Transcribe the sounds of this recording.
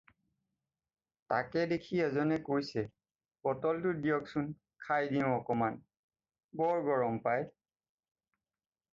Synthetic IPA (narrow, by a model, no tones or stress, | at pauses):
ta̰kɛdekʰiɛzɔnɛkojsɛ | pɔtɔltudijɔksun | kʰajdiʊ̃ɔkɔman | bɔɹɡɔɹɔmpaj